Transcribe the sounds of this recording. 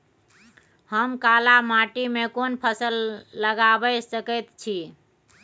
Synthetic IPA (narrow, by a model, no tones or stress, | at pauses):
həmkalamaʈimekonpʰəsəlːəɡabəsəkət̪t͡ʃʰi